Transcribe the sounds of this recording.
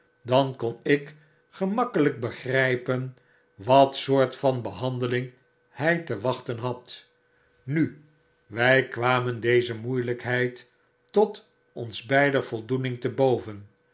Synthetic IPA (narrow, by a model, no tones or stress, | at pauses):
dɑnkɔnɪk | χəmɑkələk̚bəχrɛjpən | ʋɑtsʊːɹtfɑnbəɦɑndəlɪŋ | hɛjtəʋɑχtənɦɑt | ny | ʋɛjkʋaːməndejzəmujləkɦɛjt | ɔt | ɔnzbɛjdəv̥ɔlˠdunɪŋtəbowvən